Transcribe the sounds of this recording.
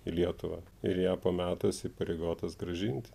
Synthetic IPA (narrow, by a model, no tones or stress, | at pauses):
ilʲiɛt̪ʊʋɐː | ɪɾjæːpoːmʲæːt̪oːsɪpɐɾʲeːɡoːt̪ɐsɡɾɐʒʲɪnʲt̪ʲɪ̥